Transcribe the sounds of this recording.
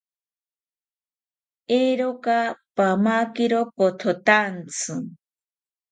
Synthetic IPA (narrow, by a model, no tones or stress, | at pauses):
eɾokapamakiɾopot̪ʰot̪ant͡sʰɨ